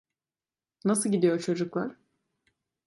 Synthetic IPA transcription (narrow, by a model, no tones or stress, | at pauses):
nasɯlˠɟid̪ijo̞ɾt͡ʃʰo̞d͡ʒuklˠaɾ̥